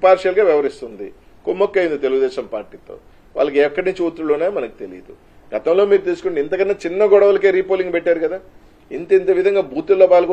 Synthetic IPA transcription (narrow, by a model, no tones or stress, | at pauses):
paːɾʂjɐlɡaːʋjɛʋɐɾist̪und̪ḭ | komːokːɐjund̪it̪e̞luɡud̪ɛːʃɐmpa̰ːɾʈiːt̪o̞̰ː | ʋa̰ːɭːlɐkeɐkːɐɽniɲt͡ʃiuːt̪ɾulunːaːjimɐnɐki̥t̪e̞lḭːd̪u | ɡ̥ɐt̪ɐmlo̞ːmiːɾut̪iːsu̥kuɳɖint̪ɐkɐnːɐt͡ʃinːɐɡɔɽɐʋɐlɐke̞ːɾiːpoliŋɡpɛʈːaːɾukɐd̪aː | int̪ent̪e̞ːʋid̪ʱɐŋɡaːbʱuːt̪ulːoːpaːlɐku